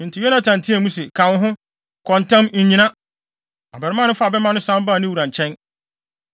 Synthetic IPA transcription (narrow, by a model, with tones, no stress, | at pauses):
n˨tʰɪ˨jɛ˦nã˦tʰã˨n˨tʰĩ˦æ˨mũ˦s̬ɛ˨kʰã˨n˦ɦʊ̃˦ | kʰɔ̃˨ntʰã˦mɲ̩˨ɲĩ˨˦nã˦ | a˨bɛ˨ɾɪ˦mã˦nɪ̃˦fa˦˨bɛ˦mã˦nʊ̃˦sã˦m˦baː˦˨nɪ̃˦wu˨ɾã˨ɲ˨t͡ɕʰɛ̃˦n